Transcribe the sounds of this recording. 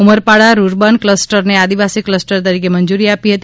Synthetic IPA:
uməɾpaɽaɾuɾbənkləsʈəɾnead̪iʋasikləsʈəɾt̪əɾikemənd͡ʒuɾiapiɦət̪i

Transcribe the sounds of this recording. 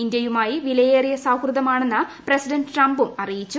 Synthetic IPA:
ind̪jɐjumaːjiʋilɐjeːrijɐsaːwkrɨðɐmaːɳe̞nːɐpresiɖɐnɖɨʈrɐmbumɐrijit͡ɕːu

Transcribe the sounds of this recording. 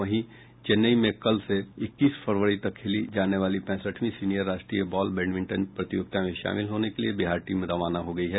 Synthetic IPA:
ɐɦĩ | t͡ʃenːəimẽkɐlseɪkːiːspʰəɾʋəɾit̪ɐkʰːeːlid͡ʒaːneʋaːlipɛ̃ːsəʈʰmĩsiːnijəɾːaːʃʈɾiːəbɔːlbɛ̃ːɳɖʋɪ̃ɳʈənpɾɐt̪ɪjoːɡ̚t̪ʰamẽʃa̰ːmɪlɦoːnekeliebɪɦaːɾʈiːmẽɾɐʋaːnaɦoɡɐiɦɛː

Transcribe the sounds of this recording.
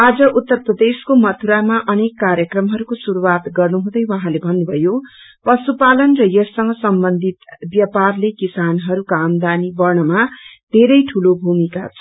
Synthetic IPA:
ad͡zʌʔut̪ːʌrprʌd̪eskomʌt̪ʰuɾamaʔʌnekːaɾjʌkrʌmɦʌɾukosuɾuwat̪ɡʌrnuɦũd̪ʌjwʌɦãlebʱʌnːubʱʌjo | pʌsupalʌnrʌjʌsʌŋɡʌsʌmbʌnd̪ʱit̪bjʌparlekisanɦʌɾukamd̪anibʌrɳʌmad̪̥ʱeɾʌjʈʰulobʱumika̰t͡sʰʌ

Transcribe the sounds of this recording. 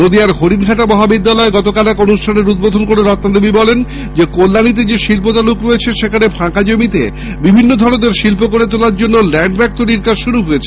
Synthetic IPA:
nod̪iaɾɦoɽiɾɡʱaʈamɔɦabid̪ːalɔeɡɔt̪okalɛkonuʃʈʰaneɾud̪̚bod̪ʱonkoɾeɾɔt̪ːad̪ebibɔlen | d͡ʑekolːanit̪̬ed͡ʑeʃilpot̪alukɾoet͡ɕʰeʃekʰanepʰãkad͡ʑomit̪ḛ | bibʱinːod̪ʱɔɽ̃od̪eɾʃilpokoɾet̪olaɾd͡ʑonːolɛɳɖbɛk̚t̪oɾiɾkad͡ʑʃuɾuɦojet͡ɕʰe

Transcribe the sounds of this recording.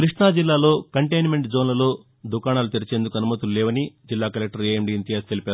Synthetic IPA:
kɾiʂɳaːd͡ʒilːaːlo̞ːkɐɳʈejnme̞ɳʈd͡ʒoːnlɐlo̞ː | d̪ukaːɳaːlut̪eɾit͡ʃe̞ːnd̪ukɐnumɐt̪ullɛːʋɐnid͡ʒilːaːkɐlek̚ʈɐɾiemɖiːnt̪ijɐst̪elipaːɾu

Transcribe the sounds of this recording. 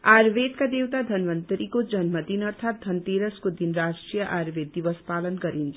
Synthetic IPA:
aɾʋet̪kad̪ewt̪ad̪ʱʌnʋʌnt̪ɾikod͡ʒʌnmʌd̪inʌɾt̪ʰaːt̪̚d̪ʱʌnt̪eɾəskod̪inɾasʈɾijʌʔaɾʋed̪̚ːiʋʌspalənkʌɾint͡ʃʰ

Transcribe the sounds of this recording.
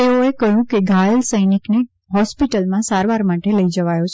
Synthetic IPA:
eoekəɦjũkeɡʱajəlsəjnikne | ɦɔspiʈəlmãsaɾʋaɾmaʈeləid͡ʒəʋajot͡ʃʰ

